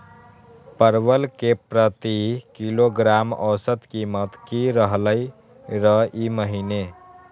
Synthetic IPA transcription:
pəɾbəlkepɾət̪ikiloɡɾamɔ̰sət̪kimət̪kiɾəɦləj | ɾəiməɦine

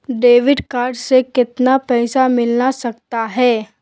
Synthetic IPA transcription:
ɖeːʋɪɖkaːɾɖsekɪt̪napɛːsamɪlnasɐk̚t̪aɦɛː

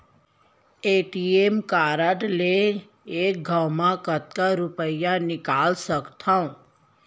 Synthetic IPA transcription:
eʈiemkaːɾəʈle | ek̚ɡʱəwmãkət̪̚kaɾʊpəjanɪkaːlsəkt̪ʰaũ

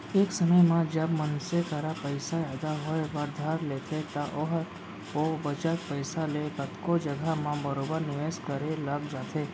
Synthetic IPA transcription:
eksəməjmãd͡ʒabmənsekəɾapəjsajad̪aɦojʋəɾd̪ʱaɾlet̪ʰet̪aʔoɦəɾ | obət͡ʃat̪̚pəjsalekət̪kod͡ʒəɡʱamãbəɾobəɾnɪʋeskəɾelaɡd͡ʒat̪ʰe

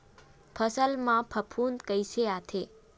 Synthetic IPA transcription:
pʰəsəlmãpʰəpʰunkəjʃʰeat̪ʰe

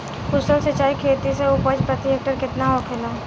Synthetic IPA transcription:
kʊsəlsət͡ʃaːikʰeːt̪iseʊpəd͡ʒpɾət̪ɪjek̚ʈəɾkɪt̪naɦokʰela

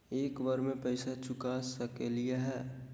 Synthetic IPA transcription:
eːkʋəɾmẽpəɪsat͡ʃʊkasəkelieɦɛː

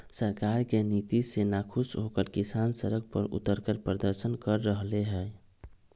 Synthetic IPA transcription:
səɾkaɾkenit̪isenakʰusɦokəlkisansəɾək̚pəɾṵt̪ːəɾkəɾpɾəd̪əɾsənkəɾːəɦleɦɛ

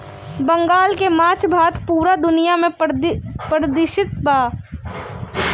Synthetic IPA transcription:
bə̃ŋɡaːlkemãːt͡ʃbʱaːt̪ʰpuːɾad̪ʊnɪjamẽ | pɾəd̪ɪʃɪt̪̚baː

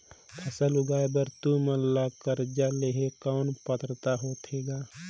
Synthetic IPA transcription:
pʰɐsəlʊɡaːebəɾt̪umənlaːkəɾd͡ʒaleːɦekɔːnpət̪ɾət̪aɦoːt̪ʰeːɡaː

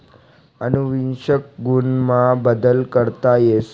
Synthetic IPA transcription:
ənuʋinɕək̚ɡunmabəd̪əlkəɾt̪ajes

